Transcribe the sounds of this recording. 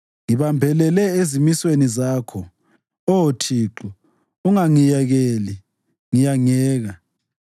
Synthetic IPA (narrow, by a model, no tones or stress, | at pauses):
ŋiβambʱɛlɛlɛezimiswenizaːkʰɔ | ɔotʰiːǁɔ | uŋaŋijɛɣeli | ŋijaŋɛːɣa